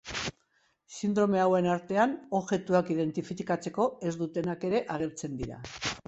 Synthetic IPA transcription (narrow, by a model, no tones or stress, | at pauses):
sind̪ɾo̞me̞awe̞naɾt̪e̞ano̞βʝe̞t̪uakiðe̞nt̪ififikat͡se̞ko̞e̞zd̪ut̪e̞nake̞ɾe̞ʔaɣ̞e̞ɾt͡se̞nd̪iɾa̰